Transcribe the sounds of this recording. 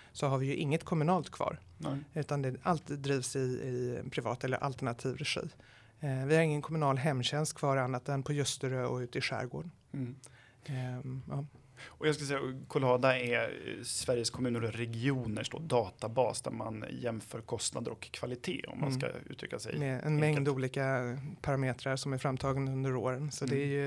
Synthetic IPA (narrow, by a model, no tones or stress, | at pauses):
sɔɦaɾvɪjɵʔɪŋːət̪kʰɔmɵnɑːlt̪kʰvɑ̰ːɾ | ʉ̟ːt̪and̪ɛalt̪d̪ɾiːvsɪɪpʰɾɪvɑ̰ːt̪ɛlːə̰ɾʔa̰lt̪ɛɳat̪ʰiːvɾɛɧḭː | vɪhaɾɪŋːənkʰɔmɵnɑːlɦɛmːɕɛnst̪̚kʰv̥ɑːɾanːat̪ɛnpʰɔjɵst̪əɾøːɔʉ̟ːt̪ɪɧæ̰ːɾɡo̰ːɖ | ʔɑː | ɔjɑskasɛjːakʰʊlɑːd̪aɛɾsvæɾjəskʰɔmʉ̟ːnəɾɔɾɛɡɪuːnəʂdo̰ːd̪ɑːt̪abɑːsd̪æ̰ɾma̰njɛmfœːɾkʰɔst̪nad̪əɾɔkʰːv̥alɪt̪ʰḛːɔ̰mːa̰nska̰ʉ̟ːt̪ʰɾʏ̰kːasɛ̰d̪ɛɛʔɛ̰nmɛŋd̪uːliːkapʰaɾameːt̪ɾaɾʂɔmæɾfɾamːt̪ʰɑːɡənd̪ɵnd̪əɾoːɾənsɔd̪ɛːɾjɵ